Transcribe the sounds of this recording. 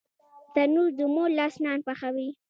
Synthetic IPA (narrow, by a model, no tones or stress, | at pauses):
t̪anuɾd̪umolɑsnɑnpaxawi